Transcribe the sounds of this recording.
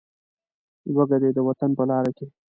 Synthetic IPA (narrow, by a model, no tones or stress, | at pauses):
waɡad̪ed̪əwat̪anpəlɑɾake